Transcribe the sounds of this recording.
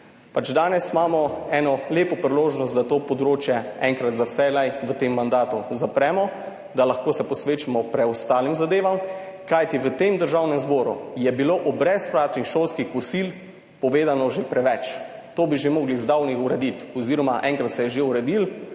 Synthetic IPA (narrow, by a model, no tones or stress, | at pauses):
pat͡ʃd̪aːnɛsimaːmɔɛːnɔleːpɔpɾiloːʒnɔst̪d̪at̪oːpɔd̪ɾoːt͡ʃjɛɛŋkɾat̪zawsɛlajʋət̪emːand̪aːt̪uzapɾɛːmɔ | d̪alaxkoːsɛpɔsʋeːt͡ʃimɔpɾɛɔst̪aːlimzad̪eːʋamkajt̪iʋət̪emd̪əɾʒawnɛmzbɔːɾṵjɛbiloʔubɾɛspɾaːt̪nixʃoːlskixkɔsil | pɔʋeːd̪anɔʒepɾɛʋɛt͡ʃ | t̪oːbiʒemoːɡlizd̪awnixuɾɛd̪it̪ɔziɾɔmaʔɛŋkɾat̪sɛjɛʒeuɾɛd̪il